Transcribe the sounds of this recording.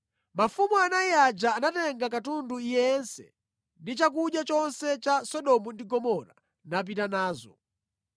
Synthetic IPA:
mafumuanaiad͡ʒaːnatɛŋɡakatunduijɛnsɛ̰ | ndit͡ʃak̬uɗjat͡ʃɔnsɛt͡ʃasɔɗɔmundiɡɔmɔɾa | nap̬itanaːzɔ̰

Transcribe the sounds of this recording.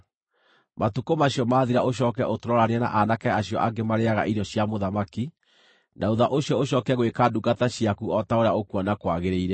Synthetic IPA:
mʔatukomaɕjɔmaːðiɾaʔoɕ̬ɔːkɛʔotoɾɔɾaneana̰ʔanakɛaɕjɔʔaɡemaɾeaɣa̰ʔiɾɔɕiamoðamaki | nauðaʔoɕjɔoɕɔkɛɣwekaduɡataɕiakuɔtaoɾeaokwɔnakwaɣeɾeiɾɛ

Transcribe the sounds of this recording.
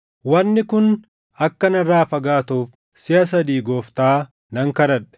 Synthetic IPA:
wɐnːɪkʊn | ɐkːɐnɐrːaːfɐɡaːt̪uːf | sɪɐs̬ɐd̪iːɡoːft̪aː | nɐŋkɐɾɐᶑɛ̥

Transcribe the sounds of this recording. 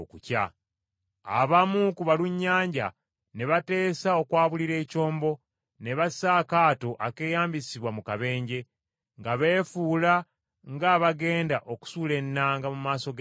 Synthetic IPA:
kuca̰ | a̰βamukuβaluɲːaːɲɟa | ne̞βate̞ːsao̞kwaːβuliɾe̞ːco̞ːmbo̞ | ne̞βasaːkaːto̞ʔake̞ːjaːmbisiβwamukaβe̞ːɲɟe̞ | ŋɡaβe̞ːfuːla | ŋɡaːβaɡe̞ːndaʔo̞ku̥suːle̞nːaːŋɡamumaːso̞ɡ

